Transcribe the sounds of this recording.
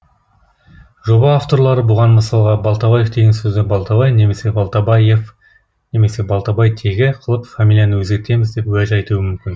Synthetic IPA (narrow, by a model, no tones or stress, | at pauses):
ʒo̞bɑaft̪o̞ɾlˠɑɾəbʊʁɑnməsɑlˠʁɑbɑlˠt̪ɑbɑje̞fd̪e̞ɡʲensɵzd̪ɪbɑlˠt̪ɑbɑjne̞me̞se̞bɑlˠt̪ɑbɑjef | ne̞me̞se̞bɑlˠt̪ɑbɑjt̪ʰe̞ɡʲɪqʰəlˠəpfamʲilʲˠijanəwɵzɡʲe̞ɾt̪e̞mɪzd̪e̞pwɵæʒɑjt̪uwəmʏmkʲɪn